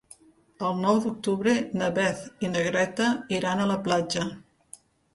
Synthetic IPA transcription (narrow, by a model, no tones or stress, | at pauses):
əlˠnɔwd̪uk̚t̪uβɾenəβɛθinəɣɾɛt̪əiɾanələplad͡ʒə